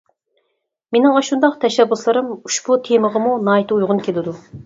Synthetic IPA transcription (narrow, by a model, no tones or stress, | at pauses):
menɪŋɑʃund̪ɑqt̪ʰɛʃɛbːuslˠɨɾɨmuʃbut̪ʰeməʁəmunɑːit̪ʰɨujʁʊnkʲʰelɪd̪u